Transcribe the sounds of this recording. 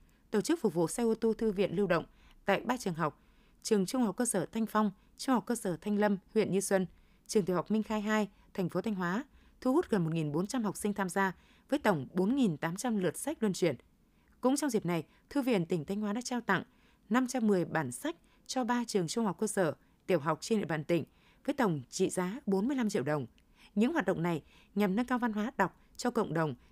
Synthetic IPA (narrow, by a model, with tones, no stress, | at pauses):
t̪o˧˩t͡ɕɨ˦˥k̚fʊ˨˩k͡p̚vṵ˧˨sa˧ʔo˧t̪o˧t̪ʰɨ˧vḭ˧˨ənlɨ˧wɗə̰˧˨wŋ͡m | t̪a̰ː˧˨jɓaː˧t͡ɕɨ˨˩əŋɦa˨˩wk͡p̚ | t͡ɕɨ˨˩əŋt͡ɕʊ˧ŋ͡mha˨˩wk͡p̚kəː˧səː˧˩t̪ʰa˧jŋ̟fa˧wŋ͡m | t͡ɕʊ˧ŋhwk͡p̚kəː˧səː˧˩t̪ʰa˧jŋ̟lə˧mhwḭ˧˨ənɲɨ˧swə˧n | t͡ɕɨ˨˩əŋt̪i˨˩hk͡p̚mï˧ŋ̟xaː˧jɦaː˧j | t̪ʰɛ˨˩ŋ̟fo˨˦t̪ʰa˧ŋ̟waː˨˦ | t̪ʰu˧hu˦˥t̚ɣə˨˩nmo˨˩t̚ŋi˨˩nɓo˨˦nt͡ɕa˧mɦa˨˩k͡p̚sï˧ŋ̟t̪ʰaː˧mzaː˧ | vəː˨˦jt̪ə˧˩wŋ͡mɓo˨˦nŋi˨˩nt̪aː˨˦mt͡ɕa˧mlɨ˨˩ət̚sa˦˥k̟̚lwə˨˧˩nt͡ɕwi˧˩ən | kʊ̰˧˥ŋ͡mt͡ɕɔ˧wŋ͡mzi˨˩p̚na˨˩j | t̪ʰɨ˧vḭ˧˩ənt̪ï˩ŋ̟t̪ʰa˧jŋ̟hwaː˨˦ɗa̰ː˧˥t͡ɕaː˧wt̪a̰˧˨ŋ | na˧mt͡ɕa˧mːɨ˨˩əjɓaː˧˩nsa˦˥jk̟̚ | t͡ɕɔ˧ɓaː˧t͡ɕɨ˨˩əŋt͡ɕʊ˧ŋ͡mha˨˩k͡p̚kəː˧səː˧˩ | t̪i˧˩əwɦa˨˩wk͡p̚t͡ɕe˧nɗḭ˧˨va̰ː˧˨nt̪ï˧˩ŋ̟ | vəː˨˦jt̪ə˨˩wŋ͡mt͡ɕḭ˧˨zaː˨˦ɓo˨˦nmɨ˧əjla˧mt͡ɕḭ˧˨wɗə˨˩wŋ͡m | ɲɨ̰˧˥ŋɦwaː˨˩t̚ɗə̰˧˨wŋ͡mna˨˩j | ɲa˨˩mnə˧nkaː˧wva˧nɦwaː˨˦ɗa˨˩wk͡p̚ | t͡ɕɔ˧kə̰˧˨wŋ͡mɗə˨˩wŋ͡m